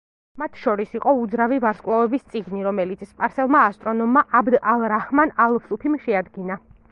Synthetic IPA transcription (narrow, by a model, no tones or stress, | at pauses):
mat̪ʰʃɔɾisiqʼɔud̪zɾavivaɾskʼwlavɛbist̪sʼiɡniɾɔmɛlit̪sʰspʼaɾsɛlˠmaːst̪ʼɾɔnɔmːaʔabd̪alˠɾahmanalˠvsupʰimʃɛad̪ɡina